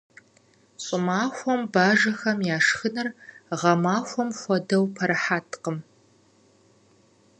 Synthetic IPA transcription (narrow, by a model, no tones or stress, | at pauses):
ɕʼɪmaːxʷɔmbaːʒɐxɐmjaːʂxɨnɐrʁɐmaːxʷɔmxʷɔdɐwpʰɐɾɨħaːtʰqəm